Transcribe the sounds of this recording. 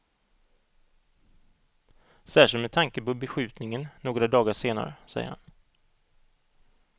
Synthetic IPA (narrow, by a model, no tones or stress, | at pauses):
sæːʂɪnmɛt̪ʰaŋkəpɔbɛɧʉ̟ːt̪nɪŋənːoːɡɾad̪ɑːɡaʂeːna̰ɾə̰sɛ̰jə̰ha̰n